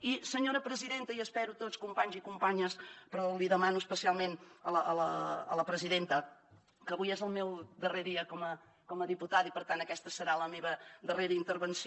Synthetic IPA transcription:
isəɲoɾəpɾəziðent̪əiəspɛɾut̪oskumpaɲzikumpaɲəspɾɔliðəmanuəspəsialˠmenələʔələə̰ləpɾəziðent̪ə | kəβujezəlˠmewd̪əreðiəkɔmə | kɔməðiput̪aðipəɾt̪ant̪əkɛst̪əsəɾaləmeβəðəreɾəint̪əɾβənsi

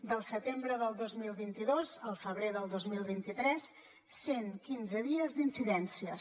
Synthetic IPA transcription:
d̪əlˠsət̪embɾəðəlˠd̪ozmilˠβint̪iðozəlˠfəβɾeðəlˠd̪ozmilˠβint̪it̪ɾɛsː | eŋkinzəðiəzd̪insiðɛnsiə

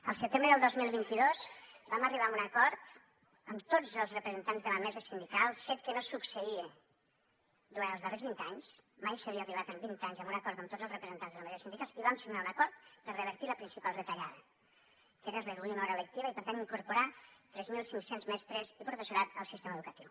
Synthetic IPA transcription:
əlˠsət̪embɾəðəlˠd̪ozmilˠβint̪iðosbaməriβaəmunəkɔɾt̪ | əmt̪od͡zəlˠzrəpɾəzənt̪anzðələmɛzəsind̪ikalˠfet̪̚kənosuksəie | d̪uɾant̪əlzðərezβint̪aɲsmajsəβiəːriβat̪əmbint̪aɲzəmbunəkɔɾt̪əmt̪odd͡zzəlˠzrəpɾəzənt̪anzðələmɛzisind̪ikalsiβamsiɣnaunəkɔɾt̪̚pəɾrəβ̞əɾt̪iləpɾinsipalˠdðət̪əʎaðə | keɾəreulˠt̪imaɔɾələk̚t̪iβəipəɾt̪aniŋkuɾpuɾat̪ɾɛzmilˠsiŋksenzmɛst̪ɾezipɾufəsuɾat̪əlˠsist̪eməðukət̪iw

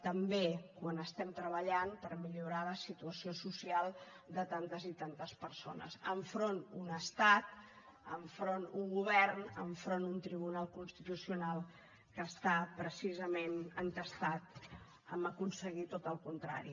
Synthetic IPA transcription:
t̪əmbekwanəst̪ɛmt̪ɾəβəʎanpəɾmiʎuɾaləsit̪uəsiosusialˠ | d̪ət̪ant̪əzit̪ant̪əspəɾso̰nə̰zəɱfɾonunəst̪at̪̚ | əɱfɾonuŋɡuβ̞ɛrnəɱfɾonunt̪ɾiβ̞unalˠkunst̪it̪usiunalˠ | kəːst̪apɾəsizəmenənt̪əst̪at̪ | əməkunsəɣit̪ot̪əlˠkunt̪ɾa̰ɾḭ

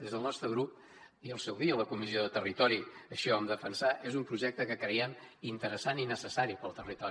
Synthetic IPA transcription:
d̪ezðəlˠnɔst̪ɾəɣɾup̚ | iəlˠsɛwðiələkumizioðət̪ərit̪ɔɾiəʃɔəmd̪əfənsaʔezumpɾuʒɛk̚t̪əkəkɾəjɛm | int̪əɾəsaninəsəsaɾipəlˠt̪ərit̪ɔ

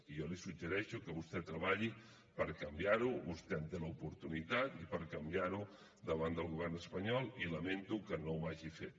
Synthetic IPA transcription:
ijɔlisuʒəɾɛʃukəβust̪ɛt̪ɾəβaʎi | pəɾkɐmbjaɾuβust̪ɛənt̪eləupuɾt̪unit̪at̪ipəɾkɐmbjaɾu | d̪əβand̪əlˠɣuβɛrnəspɐɲɔlˠiləmẽnt̪ukənõwmaʒifet̪̚

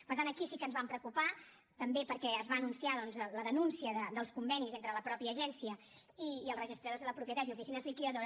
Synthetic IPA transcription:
pəɾt̪anəkisikənzβampɾəkupa | t̪əmbepəɾkɛəzβaːnunsiaðɔnzləðənunsiəðəd̪əlˠskumbɛnizent̪ɾələpɾɔpiəːʒɛnsiə | iːəlˠzrəʒist̪ɾəðozðələpɾupjət̪at̪jufisinəzðikioðo

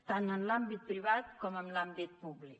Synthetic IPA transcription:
t̪aŋanlambit̪̚pɾiβat̪̚kɔmɔmlambit̪̚publik̚

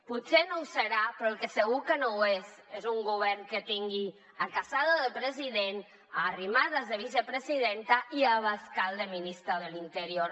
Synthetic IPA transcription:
putsenowsəɾapɾɔelkəsəɣ̞ukənowezezuŋɡuβ̞ɛɾŋkət̪iŋɡi | akasaðəðəlpɾəziðen | aːrimaðəzðəβ̞isəpɾəziðent̪aʔiaβaskalˠd̪əminist̪ɾaðəlint̪əɾioɾ

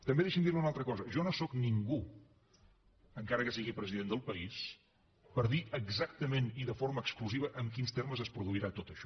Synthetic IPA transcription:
t̪əmbeðɛʃimd̪iɾməunalˠt̪ɾəkɔzəʒɔnosɔkniŋɡu | əŋkaɾəkəsiɣipɾəziðend̪əlˠpəis | pəɾðiʔəɡzak̚t̪əmeniðəfoɾməːkskluziβ̞əʔəŋkinst̪erməzəspɾuðuiɾat̪ot̪əʃɔ

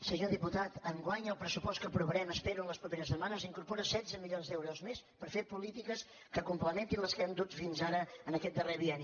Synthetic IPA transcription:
səɲoðiput̪at̪əŋɡwaɲəlˠpɾəsupɔst̪kəpɾuβəɾɛməspeɾuənləspɾupeɾəsəmanəziŋkuɾpɔɾəsɛd̪zəmiʎonzd̪ɛwɾuzmespəɾfepulit̪ikəs | kəkumpləment̪inlˠəskəɛnd̪ut̪finzaɾəənəkɛt̪̚d̪əreβiɛni

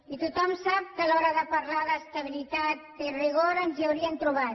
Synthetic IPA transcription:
it̪ut̪ɔmsap̚kalɔɾaðəpaɾlaðəst̪aβ̞ilit̪at̪̚ːeriɣoɾənziawɾiant̪ɾuβat̪

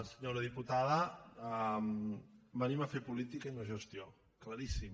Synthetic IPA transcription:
səɲoɾəðiput̪aðə | mbəniməfepulit̪ikəiunəʒəst̪io | klaɾisim

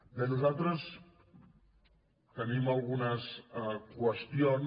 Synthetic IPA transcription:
d̪euzalˠt̪ɾəs | t̪əniməlˠɣunəskwəst̪ion

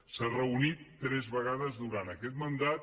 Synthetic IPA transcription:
sarəunit̪ːɾɛzβəɣ̞aðəzðuɾant̪əkɛt̪mənd̪at̪̚

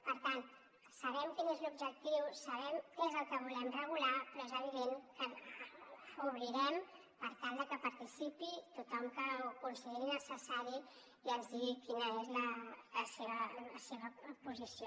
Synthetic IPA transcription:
pəɾt̪ant̪ | səβɛmkinezlub̚d͡ʒək̚t̪iwsəβɛmkezəlˠkəβ̞ulɛmrəɣ̞ulapɾɔezəβ̞iðeŋkə | fuβɾiɾɛm | pəɾt̪alˠd̪əkəpəɾt̪isipit̪ut̪ɔmkəukunsiðeɾinəsəsaɾi | iənzðiɣikinəezlələseβələseβəpuzisio

